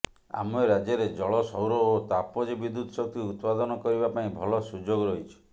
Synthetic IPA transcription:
a̰mɔeɾad͡ʒɔɾed͡ʒɔɭɔsɔwɾɔot̪apɔd͡ʒebid̪ut̪ɔsɔk̚t̪iut̪pad̪ɔnɔkɔɾibapaĩbʱɔlɔsud͡ʒoɡɔɾɔɦit͡ʃʰɔ̥

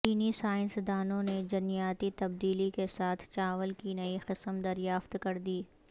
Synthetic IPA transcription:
t͡ʃiːnisaːɪ̃nsd̪aːnõned͡ʒɐnijaːt̪it̪ɐb̚d̪iːlikesaːt̪ʰt͡ʃaːʋəlkinɐiqɪsəmd̪ɐɾjaːft̪kɐɾd̪iː

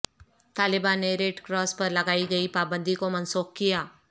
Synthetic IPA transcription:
t̪aːlɪbaːnːeɾeːʈkɾɔːspɐɾlɐɡaːiɡɐipaːbə̃nd̪ʱikomɐnsuːxkijaː

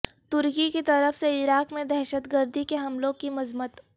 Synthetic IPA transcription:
t̪ʊɾkikit̪ɐɾəfseɪɾaːkmẽd̪ɛɦʃət̪ɡəɾd̪ikeɦɐmlõkimɐzmət̪

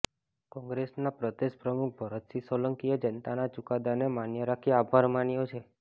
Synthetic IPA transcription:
kɔ̃ŋɡɾesnapɾəd̪eʃpɾəmuk̚ʰbʱəɾət̪sisɔləŋkijəd͡ʒənt̪anat͡ʃukad̪anemanjəɾakʰiabʱaɾmanjot͡ʃʰe

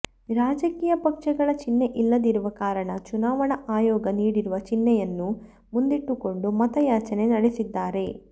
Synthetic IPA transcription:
ɾaːd͡ʒɐkiːjɐpɐkʂɐɡɐɭɐt͡ʃinːe̞ʔilːɐd̪iɾuʋɐkaːɾɐɳɐt͡ʃunaːʋɐɳɐʔaːjɔːɡɐniːɽiɾuʋɐt͡ʃinːɛjɐnːu | mund̪iʈːuko̞ɳɖumɐt̪ɐjaːt͡ʃɐne̞nɐɽesid̪ːaːɾe̞

